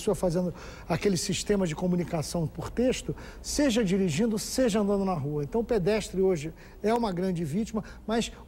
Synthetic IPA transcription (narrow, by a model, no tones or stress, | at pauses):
soɐfazẽnd̪ʊ | akelɪsiʃt̪ẽmɐzd͡ʒɪkomunikasɐ̃w̃poɾt̪eʃt̪ʊseʒɐd͡ʒiɾiʒĩnd̪ʊseʒɐɐ̃nd̪ɐ̃nd̪ʊnɐɦuɐẽnt̪ɐ̃w̃ʊped̪ɛʃt̪ɾɪoʒɪ | ɛũmɐɡɾɐ̃d͡ʒɪvit͡ʃimɐmɐs